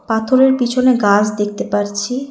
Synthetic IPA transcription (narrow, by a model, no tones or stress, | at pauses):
pat̪ʰoɾeɾpit͡ɕʰoneɡad͡ʑʰd̪ek̚t̪epaɾt͡ɕʰi